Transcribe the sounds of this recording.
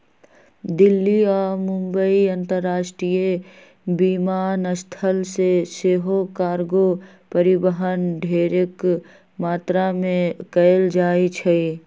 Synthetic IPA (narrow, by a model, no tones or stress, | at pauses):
d̪ɪlːiɔːɾmʊ̃mbəiɐ̃nt̪əɾːaːʃʈɾije | bimaːnəst̪ʰəlseseːɦokaːɾɡo | pəɾɪbəɦənɖʱeːɾek | maːt̪ɾamẽkəld͡ʒaːit͡ʃʰəi